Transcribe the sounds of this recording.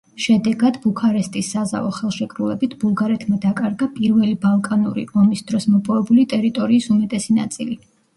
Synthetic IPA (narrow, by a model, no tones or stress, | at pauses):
ʃɛd̪ɛɡad̪bukʰaɾɛst̪ʼisːaza̰ɔχɛlˠʃɛkʼɾulɛ̰bit̪ʰb̥ulˠɡaɾɛt̪ʰmad̪akʼaɾɡapʼiɾvɛlibalˠkʼanṵɾḭɔmisd̪̥ɾɔsmɔpʼɔvɛbulit̪ʼɛɾit̪ʼɔɾiːsumɛt̪ʼɛsina̰t̪sʼḭli